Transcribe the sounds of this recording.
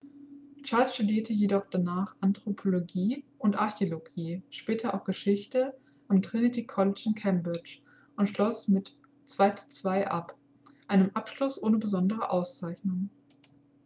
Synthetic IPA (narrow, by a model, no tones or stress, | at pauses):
t͡ʃaɐlsʃtudiːɐtəjedɔχd̥anaːχʔantʁ̥opʰoloɡiːʊntʔaɐçeoloɡiːʃpɛːtʰɐʔa̰ʊfɡ̥əʃɪçtə | ʔamtʁ̥ɪnitʰikʰɔlɪt͡ʃɪnkʰɛmbʁɪt͡ʃ | ʔʊntʃlɔsmɪt | t͡sv̥aɪt͡su̥t͡sv̥aɪʔap | ʔaɪnəmʔapʃlʊsʔoːnəbəzɔndəʁ̞əʔaʊst͡saɪçnʊŋ